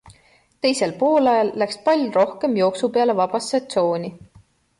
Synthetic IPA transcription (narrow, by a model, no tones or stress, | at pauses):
t̪e̞jse̞lpo̞ːlɑjɑlːækspɑlʲjuro̞hke̞mjo̞ːksupeɑle̞vɑb̥ɑsɑt̪so̞ːnʲi